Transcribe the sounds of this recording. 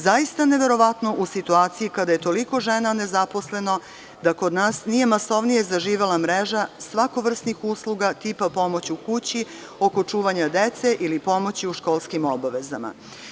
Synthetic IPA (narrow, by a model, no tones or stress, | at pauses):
zajist̪ane̞ʋe̞ɾo̞ʋat̪no̞ʔusit̪uaːt̪sijikad̪aje̞t̪o̞liko̞ʒenane̞zapo̞sle̞no̞ | d̪ako̞d̪naːsnije̞maso̞ʋnije̞zaʒiːʋelamɾeʒasʋako̞ʋr̩st̪nixuslˠuɡat̪ipapo̞mo̞t͡ɕukut͡ɕi | o̞ko̞t͡ʃuːʋaɲad̪et̪se̞ʔilipo̞mo̞t͡ɕiuʃko̞ːlˠskimo̞baʋe̞za̰ma̰